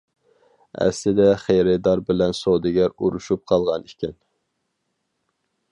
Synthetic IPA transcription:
æ̰sɪd̪ɛχejɾɪd̪ɑɾbɪlɛnsod̪ɪɡʲæɾuɾuʃup̚qʰɑlˠʁɑnikʲʰɪn

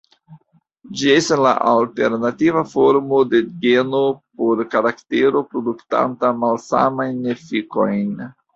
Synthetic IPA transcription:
d͡ʒie̞stasla̰ʔalte̞ɾnativafo̞ɾmo̞de̞ɡe̞nopo̞ɾkaɾakte̞ɾo̞pɾo̞dukta̰ntamalsa̰majnefiko̞jn

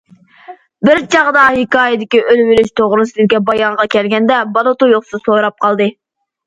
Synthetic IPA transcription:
bɪɾt͡ʃʰɑʁd̪ɑhɪkɑːjɪd̪ɪkʲiʔølwɪɾɪʃt̪ʰoʁɾɨsɨzɪkʲːɛbɑjɑɴʁɑkʲʰɛlɡʲɛnd̪ɛbɑlˠɨt̪ujoχsɨsoɾɑp̚qʰɑlˠd̪ɨ

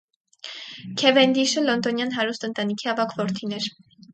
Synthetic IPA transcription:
kʰɛvɛnd̪iʃəlɔnd̪ɔnjɑnɦɑɾust̪ənt̪ɑnikʰiɑvɑkʰvɔɾt̪ʰinɛɾ

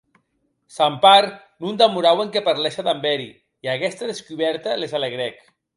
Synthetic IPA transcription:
sampaɾ | nund̪amuɾaweŋkepaɾlɛʃaðambɛɾi | iaɣɛst̪aðeskuβɛɾt̪alezaleɣɾɛk

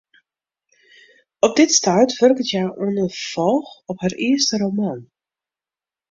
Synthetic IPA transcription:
ɔp̚dɪtstaːtʋœrkətjajʔɔnəfɔlˠxɔphariəstəɾoman

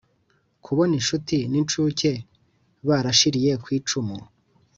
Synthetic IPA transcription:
kʰuβo̞niʃutinint͡ʃuːce̞ | βaɾaʃiɾije̞kwiːt͡ʃumu

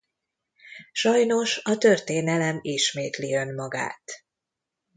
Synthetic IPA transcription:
ʃɒjno̞ʃɒt̪ø̞rt̪eːnɛlɛmiʃmeːt̪liø̞nmɒɡa̰ːt̪

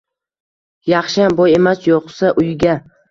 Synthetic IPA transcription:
jɑχʃɪjambɒje̞masjoqsaʔʊjɡʲa

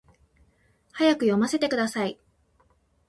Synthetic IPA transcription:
hajakɯ̟jo̞mase̞t̪e̞kɯ̟d̪asai

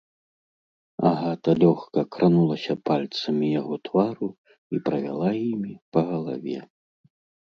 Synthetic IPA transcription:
a̰ɣat̪ɐlʲɔxkɐkɾanulˠɐsʲɐpalʲt̪sɐmʲijaɣɔt̪vaɾu | ipɾɐvʲa̰lˠajimʲipɐɣɐlˠa̰vʲɛ

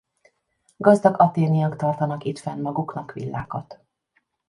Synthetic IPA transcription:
ɡɒzd̪ɒɡɒt̪eːnijɒkt̪ɒrt̪ɒnɒkit̪fɛnmɒɡuknɒkʋḭlːa̰ːkɒt̪

